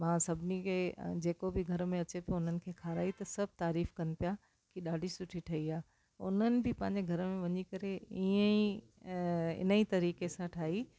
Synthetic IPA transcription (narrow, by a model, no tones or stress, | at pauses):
mãːsɐbʱɪnikʰed͡ʑeːkobɪɡʱɐɾmẽɐt͡ɕepoʊnənɪ̆kʰeːkʰaːɾaːit̪ɐsɐbʱt̪aːɾiːfkɐnɪ̆pija | kiɗaːɖʱisʊʈʰiʈʰɐiaː | ʊ̰n̤ənɪ̆bʱɪpɐ̃ɦɪɲ̆d͡ʑeɡʱɐɾmẽʋɐɲikɐɾeiːə̃i | ɪ̰nəit̪ɐɾiːkesãʈʰaːɦi